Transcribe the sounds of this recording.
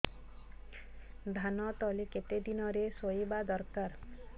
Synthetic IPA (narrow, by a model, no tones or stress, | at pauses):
d̪ʱanɔt̪ɔleket̪ed̪inɔɾesoibad̪ɔɾkaɾ